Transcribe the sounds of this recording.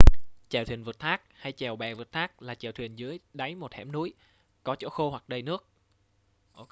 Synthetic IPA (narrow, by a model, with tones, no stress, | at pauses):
t͡ɕɛː˨˩wt̪ʰwi˨˩ənvɨː˨˩t̚t̪ʰaː˦˥k̚ha˧jt͡ɕɛ˨˩wɓɛ˨˩və˨˩t̚t̪ʰaː˦˥k̚laː˨˩t͡ɕɛː˨˩wt̪wḭ˨˩ənzɨ˨˦əjɗa˨˦jmo˨˩t̚hɛ̰˧˥mnu˨˦j | kɔ˨˦t͡ɕo̰˧˥xo˧hwa˨˩k̚ɗə˧jnɨ˦˥ək̚ | ʔo˧